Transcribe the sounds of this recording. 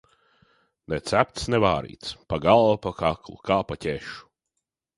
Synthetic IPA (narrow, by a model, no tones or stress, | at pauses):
nɛt̪sæp̚t̪snɛvaːɾḭːt̪spaɡalˠvapakaklˠṵkaːpatʲeʃu̥